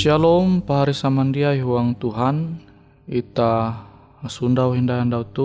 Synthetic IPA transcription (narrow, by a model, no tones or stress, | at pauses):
ʃalɔumpaɦaɾisamandiajiɦuaŋt̪uɦan | it̪a | sundawɦindajandaut̪u